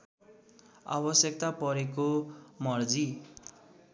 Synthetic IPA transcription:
a̰bʌsjʌk̚t̪apʌɾekomʌrd͡zi

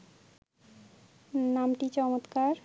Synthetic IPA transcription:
namʈit͡ɕɔmot̪kaɾ

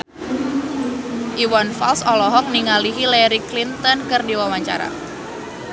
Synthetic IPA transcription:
ʔiwanfalsɔlɔɦɔk̚niŋaliɦilɛɾiklint̪ɔnkɨrdiwawaɲt͡ʃa̰ɾa̰

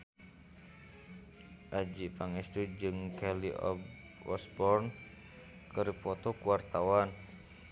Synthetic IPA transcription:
ʔad͡ʒipaŋist̪ud͡ʒɨŋkɛliɔ̰b | ɔ̰sbɔrn | kəɾipɔt̪ɔkuwart̪awan

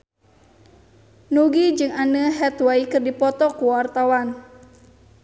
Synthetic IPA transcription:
nuɡid͡ʒɨŋanəɦɛt̪wajkɨrdipɔt̪ɔkuwart̪awan

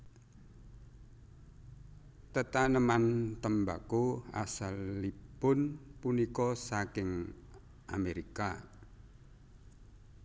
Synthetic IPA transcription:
t̪ət̪anəmant̪əmba̰kua̰salːipʊnpunikɔsakɪŋ | ʔa̰meɾika

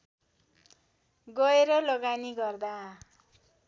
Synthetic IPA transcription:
ɡʌeɾʌlʌɡaniɡʌrd̪a

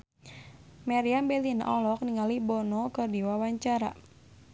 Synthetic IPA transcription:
maɾiambɛlina̰ʔɔlɔk̚niŋalibɔnɔkɨrdiwawaɲt͡ʃaɾa̰

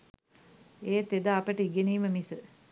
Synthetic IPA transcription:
eːt̪ed̪aːpəʈəiɡeniːməmisə

